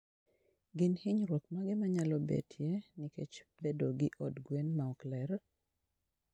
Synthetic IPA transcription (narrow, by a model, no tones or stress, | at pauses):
ɡɪnhɪɲɾwok̪̚maɡɛmaɲalɔbḛtʰjeniket͡ʃbedoɡɪʔɔdɡwenmaɔklɛɾ